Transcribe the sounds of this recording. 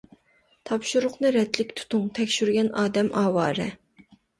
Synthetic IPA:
t̪ʰɑpʃuɾʊqnɨɾɛt̪lɪkʲt̪ʰu̥t̪ʰʊŋt̪ʰɛkʲʃyɾɡʲɛnɑːd̪ɛmʔɑːwɑːɾɨ̰

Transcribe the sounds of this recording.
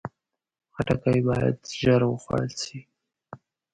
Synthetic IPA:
xaʈakajbɑja̰d̪ʒaɾwəxwa̰lsi

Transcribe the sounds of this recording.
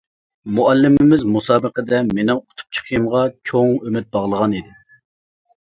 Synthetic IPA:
muɛlːɪmɪmɪzmusɑːbəqəd̪ɛmenɪŋqʰʊ̥t̪ʰu̥p̚t͡ʃʰə̥qʰəjɨmʁɑt͡ʃʰoŋømɪt̪̚bɑʁlˠəʁɑnid̪ɪ

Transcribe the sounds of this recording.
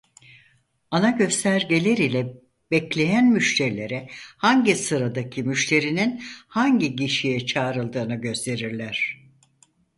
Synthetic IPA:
anaɟø̞st̪ʰæɾɟelʲeɾilʲɛ | b̥ɛclʲe̞jænmyʃt̪ʰe̞ɾilʲe̞ɾɛhaɲɟisɯɾad̪acʰimyʃt̪ʰe̞ɾininhaɲɟiɟiʃijɛt͡ʃʰaːɾɯlˠd̪ɯːnɯɟø̞st̪ʰe̞ɾiɾlʲæɾ̥

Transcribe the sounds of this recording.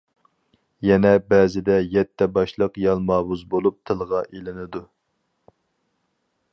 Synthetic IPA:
jɛnɛbɛːzɪd̪ɛjɛt̪ʰːɛbɑʃlˠəqjɑlˠmɑːbuzbolˠup̚t̪ʰɨlˠʁɑʔelɪnɪd̪u

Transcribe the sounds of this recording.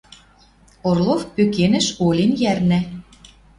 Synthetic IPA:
orlˠofpøkenɘ̆ʃolʲenjærnæ

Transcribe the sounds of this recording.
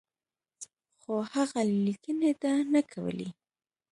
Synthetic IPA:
xohaɣalikənet̪anakʰawə̰lḛ

